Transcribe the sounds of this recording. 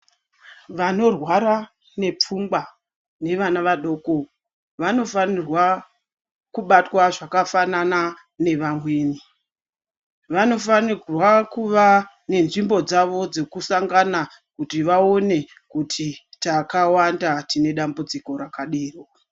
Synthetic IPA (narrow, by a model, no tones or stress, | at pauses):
ʋano̞rwaɾa | ne̞p͡fumba | ne̞ʋanaʋaɗo̞ːko̞ | ʋano̞fanirwa | kuɓatwaʐakafanana | ne̞ʋamweːni | ʋano̞fanirwakuʋa | ne̞nʐimbo̞d͡zaʋo̞d͡ze̞kusaŋɡana | kutiʋao̞ne̞ | kutʰitakawandatine̞ɗambud͡ziko̞ɾakaɗiːro